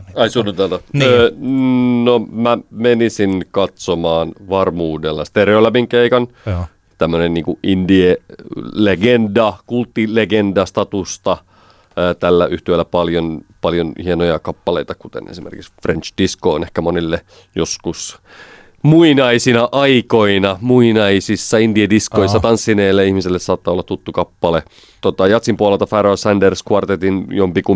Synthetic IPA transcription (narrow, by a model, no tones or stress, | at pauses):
ɑisunːut̪elt̪ɑ | nomæmenisinkɑt̪somɑːnʋɑrmuːdelːɑst̪ereolæmiŋkeikɑn | t̪æmːønenniːŋkuʔindieleɡendɑkult̪ːileɡendɑst̪ɑt̪ust̪ɑ | t̪ælːæʔyht̪yelːæpɑljonpɑljonhienojɑkɑpːɑleit̪ɑkut̪ḛnesimerkiksfrent͡ʃd̥iskoːnehkæmonelːe | joskus | muinɑisinɑʔɑikoinɑmuinɑisisːɑindiediskoisːɑt̪ɑnsːineːlːeihmiselːessɑːt̪ːɑolːɑt̪t̪ːut̪ːukɑpːɑle | t̪ot̪ɑjɑt̪simpuolelt̪ɑfæɾoːsænderskɑrt̪et̪injompiku